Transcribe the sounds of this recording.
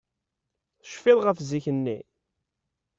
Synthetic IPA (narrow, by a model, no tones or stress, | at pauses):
θəʃfɪðˤʁəfziçənːi